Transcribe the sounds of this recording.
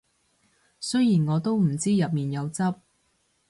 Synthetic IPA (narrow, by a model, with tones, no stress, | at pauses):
sɵ˥jiː˨˩nŋɔː˨˧t̪o˥wm̩˨˩t͡siː˥jɐ˨p̚miː˨njɐ˨˧wt͡sɐ˥p̚